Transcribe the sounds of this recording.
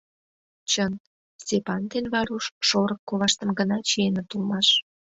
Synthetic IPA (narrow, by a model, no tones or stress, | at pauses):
t͡ɕən | stʲepɑnd̪enβɑɾuʃʃoɾəkːoβɑʃt̪ə̆mɡənɑt͡ɕienət̪ulmɑʃ